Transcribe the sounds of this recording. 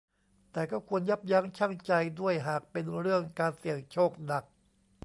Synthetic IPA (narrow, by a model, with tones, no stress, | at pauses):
t̪ɛː˨˩kɔː˥˩kʰu˧ənja˦˥˩p̚ja˦˥ŋt͡ɕʰa˥˩ŋt͡ɕa˧jdu˥˩əjɦaː˨˩k̚pe˧nɾɯ˥˩əŋkaː˧nsi˨˩əŋt͡ɕʰoː˥˩k̚na˨˩k̚